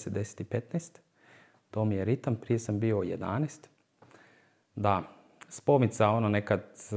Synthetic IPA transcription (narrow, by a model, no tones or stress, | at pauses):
sed̪ese̥t̪ipet̪nest̪ | t̪oːmijeɾit̪ampɾijesambiojed̪a̰nest̪ | d̪a | spomit̪saononekad̪